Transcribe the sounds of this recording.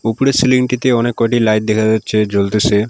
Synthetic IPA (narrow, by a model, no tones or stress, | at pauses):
upuɽesiliŋʈit̪eɔnekːɔʈilajʈ̚d̪ekʰad̪aːt͡ɕʰed͡ʑolt̪et͡ɕʰe